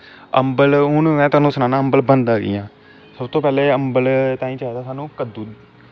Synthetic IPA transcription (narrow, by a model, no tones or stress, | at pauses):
əmbəlʊnmɛ̃ːt̪ʊaːnũːsʊnaːnãːəmbəlbənd̪aːɡḭːãː | səbt̪oːpɛːleːəmbəlt̪ãːĩːt͡ʃaɛːd̪aːsaːnũːkəd̪uːd̪